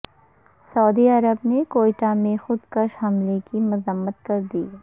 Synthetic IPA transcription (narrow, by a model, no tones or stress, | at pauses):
sɐːd̪iɐɾəbnekoːɪʈamẽxʊd̪kɐʃɦɐmlekimʊzəmːət̪kɐɾd̪iː